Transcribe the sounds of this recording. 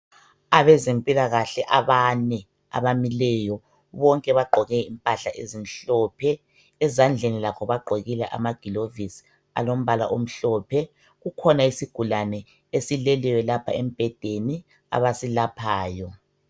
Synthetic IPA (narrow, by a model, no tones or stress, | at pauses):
aβɛzempʼilaɣaɬɛʔaβanɛ | a̰βamilɛjɔ | βɔŋkʼɛβaɡ͡ǃʱɔɣɛimpʼaɬaʔezinɬɔːpʰɛː | zand͡ɮʱenilakʰɔβaɡ͡ǃʱoɣilɛʔa̰maɡ̥ʱilovis | a̰lom̩βala̰ʔom̩ɬɔːpʰɛ | ɣukʰɔnaisiɡ̥ʱulanɛ | esilɛlɛjɔlapʰa̰em̩b̥ʱɛd̥ʱeni | a̰βasilapʰaːjɔ